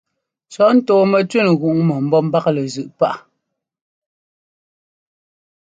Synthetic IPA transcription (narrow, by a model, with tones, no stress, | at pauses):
t͡ʃɔ˨˦n̩˦toː˨mɛ˨t͡ʃwe˦˨n˨ɣu˨ʔŋmɔ˨m̩˦bɔ˦m̩˦ba˦klə˨zʉ˨ʔpa˦ʔ